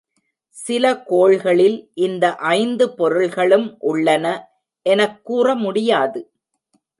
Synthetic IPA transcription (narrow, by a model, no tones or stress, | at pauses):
sɪlɐkoːɭɣɐɭɪlʔɪnd̪ɐʔɐɪnd̪ɯpɔɾɯɭɣɐɭɯmʔʊɭːɐnɐ | ʔɛnɐkːuːrɐmʊɽɪjaːðɯ